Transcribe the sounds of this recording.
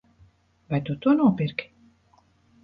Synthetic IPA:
vajt̪ut̪uɔnuɔpiɾkʲi̥

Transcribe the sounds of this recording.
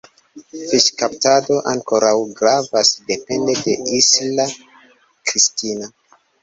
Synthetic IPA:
fiʃkaptado̞ʔaŋko̞ɾawɡɾavasde̞pe̞nde̞de̞isla | kɾistina

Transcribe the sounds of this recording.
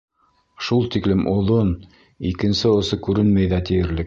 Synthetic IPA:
ʃulˠt̪iklɘmʔŏðˠon | ikɘ̆nsɘŏsɤkʉɾɘnmæjðæt̪ĭjɘ̆ɾlɘk̚

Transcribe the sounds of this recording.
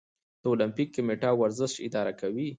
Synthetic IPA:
d̪̥əolampikːameʈɑwaɾzəʃɪ̰d̪ɑɾakawi

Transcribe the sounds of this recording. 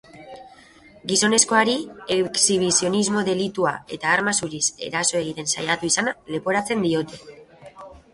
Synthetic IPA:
ɡiso̞ne̞sko̞aɾieksiβ̞isio̞nizmo̞ðe̞lit̪uae̞t̪aːɾmasuɾise̞̰ɾaso̞e̞ɣ̞it̪e̞nsa̰jat̪uisanale̞po̞ɾat͡se̞nd̪io̞t̪e̞

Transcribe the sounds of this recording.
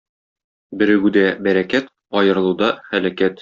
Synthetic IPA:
bɘ̆ɾɘ̆ɡʉd̪æbæɾækæt̪ | ɒjɤ̆ɾɤ̆lˠud̪ɑχælækæt̪

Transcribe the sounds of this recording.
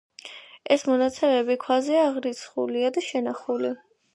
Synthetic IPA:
ɛsmɔnat̪sʰɛmɛbikʰwazɛaːʁɾit̪sʰχṵliad̪aʃɛnaχuli

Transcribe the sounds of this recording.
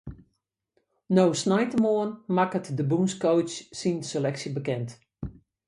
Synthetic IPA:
nowsnajtəmoənmakətdəbuːnskowt͡ʃsinselɛksəbəkɛnt

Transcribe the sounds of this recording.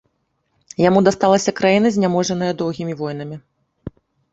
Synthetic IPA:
jamud̪ast̪alˠɐsʲɐkɾajinɐzʲnʲamɔʐɐnɨjɐd̪ɔwɣʲimʲivɔjn̪ɐmʲi

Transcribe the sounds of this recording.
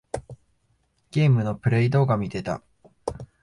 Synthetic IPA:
ɡ̥ʲeːmɯ̟no̞pɯ̟ɾe̞id̪o̞ːɡamʲit̪e̞t̪a̰

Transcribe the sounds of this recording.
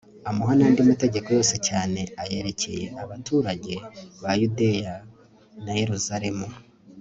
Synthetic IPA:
amuɦanandimute̞ɟe̞ko̞jo̞ːse̞caːne̞aje̞ɾe̞ce̞je̞ʔaβatuːɾaɟe̞βajude̞ja | naje̞ɾuzaɾe̞mu

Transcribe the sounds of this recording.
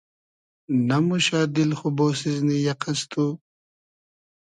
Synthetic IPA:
nɐmuɕaːd̪ilxuboːsiznijɐqɐst̪ʰuː

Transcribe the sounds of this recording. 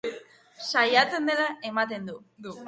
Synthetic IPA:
sajat͡se̞nd̪e̞laemat̪e̞nd̪u

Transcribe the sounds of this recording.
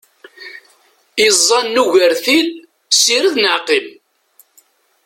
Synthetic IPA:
izˤːɑnːuʝəɾθil | siɾəðnəʕqəl

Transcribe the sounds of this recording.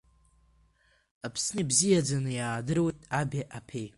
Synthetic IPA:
apʰsnɨibzijad͡zanɨjaːdɨrwejtʼabʲaʔapʰej

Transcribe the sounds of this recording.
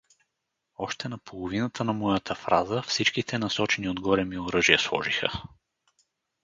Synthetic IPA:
ɔʃt̪ɛnɐpʰolˠovinət̪ʰənɐmɔjət̪ʰəfɾʔazəfsit͡ʃkit̪ʰɛnɐsɔt͡ʃɛniod̪ɡɔɾɛmioɾɤʒijəslˠɔ̰ʒixə̰

